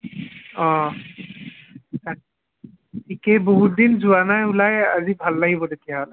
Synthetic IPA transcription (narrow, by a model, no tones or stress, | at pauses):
ɔ | a | tʰikejboɦut̚dinzuwanajulajazibʱalːaɡibɔdekijaɦɔl